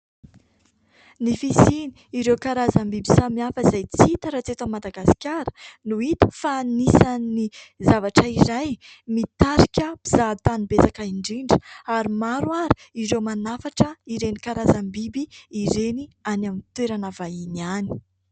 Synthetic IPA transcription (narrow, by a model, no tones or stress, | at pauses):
nifisini̥iɾewkaɾazəmbibisamiafəizajt͡sit̪aɾat͡set̪amːad̪aɡasi̥kʲaɾənuit̪ə̥fanisanni | zavaʈ͡ʂəiɾaj | mit̪aɾikʲəpizat̪anibesakaiɳɖ͡ʐiɳɖ͡ʐə̥aɾimaɾwaɾi̥iɾewmanafaʈ͡ʂəiɾenikaɾazambibiːɾenianamit̪weɾanavainiani̥